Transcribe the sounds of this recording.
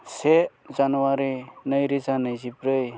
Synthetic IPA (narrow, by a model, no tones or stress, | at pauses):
se | zanuwaɾinəjɾizanɯjzipɾɯj